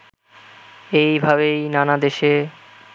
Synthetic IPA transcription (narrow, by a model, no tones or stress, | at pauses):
ejbʱaβejnanad̪eʃe